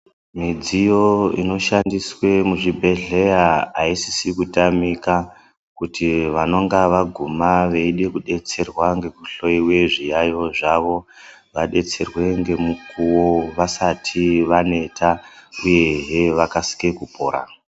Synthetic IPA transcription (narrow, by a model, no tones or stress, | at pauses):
mid͡zijo̞ḭno̞ʃandiswe̞muʐibʱe̞ɮe̞jaːisisikutamika | kutʰiʋano̞ŋɡaʋaɡʱumaʋeiɗe̞kuɗe̞t͡se̞rwaŋɡe̞kuɬo̞iwe̞ʐijajo̞ʐaʋo̞ | ʋaɗe̞t͡se̞rwe̞ŋɡe̞mukuwo̞ʋasatʰiʋane̞tʰauje̞ʐe̞ʋakasi̥ke̞kupo̞̰ːɾa̰